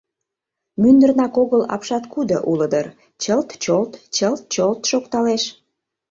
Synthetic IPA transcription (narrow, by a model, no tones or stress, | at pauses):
mynd̪ərnɑkoɣəlɑ̰pʃɑt̪kud̪oʔuləd̪ər | t͡ɕəlt̪t͡ɕolt̪t͡ɕəlt̪̚t͡ɕolt̪ʃokt̪ɑleʃ